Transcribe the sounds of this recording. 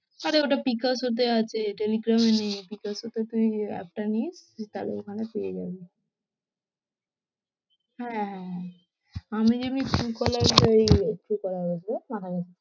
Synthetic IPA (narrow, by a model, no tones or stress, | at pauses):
aɾeoʈapikasɦot̪̬eat͡ɕʰeʈeliɡɾamenejpikasɦot̪et̪uiɛ̰k̚ʈanist̪alḛokʰanep̪ejed͡ʑa̰be | hɛ̃ɦɛ̃ɦ | amid͡ʑemikukɔlaɾd͡ʑoikukɔlaɦod͡ʒbematʰakat͡ɕʰe̥